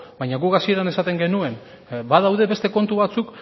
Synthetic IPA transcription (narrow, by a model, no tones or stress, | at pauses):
bajɲaɣukasie̞ɾane̞sat̪e̞ŋɡe̞nue̞n | baðawðe̞βe̞st̪e̞ko̞nt̪uβat͡suk